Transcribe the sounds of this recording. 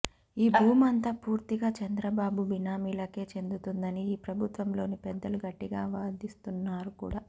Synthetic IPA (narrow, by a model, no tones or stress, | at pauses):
iːbʱuːmɐnt̪ɐːpuːɾt̪iɡaːt͡ʃɐnd̪ɾɐbaːbubinaːmilɐke̞ːt͡ʃe̞nd̪ut̪und̪ɐniiːpɾɐbʱut̪ʋɐmlo̞ːnipɛd̪ːɐluɡɐʈːiɡaːʋaːd̪ist̪unːaːɾukṵːɽaː